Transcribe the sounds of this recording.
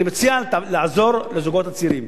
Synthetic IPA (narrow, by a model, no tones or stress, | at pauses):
imet͡sialaʕazo̞ɾlezuɡo̞t̪at͡siɾim